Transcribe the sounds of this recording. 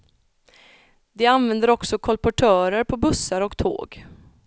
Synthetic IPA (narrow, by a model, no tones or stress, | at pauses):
d̪ɛanvɛnd̪əɾɔksɔkʰɔlpɔʈʰœːɾəɾpʰɔbɵsːaɾɔkt̪ʰo̰ːɡ